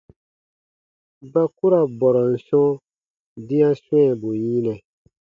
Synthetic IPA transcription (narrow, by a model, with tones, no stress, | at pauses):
ba˦ku˦ɾa˨bɔ˨ɾɔ˨n̩˨sɔ̃˦ | dĩ˦ã˦sɛ̃˦˨bu˨jĩ˦nɛ̃˨